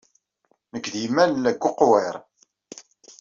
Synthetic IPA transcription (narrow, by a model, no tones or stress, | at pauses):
nəɡðimænlːæɡʷːʊqweɾˤ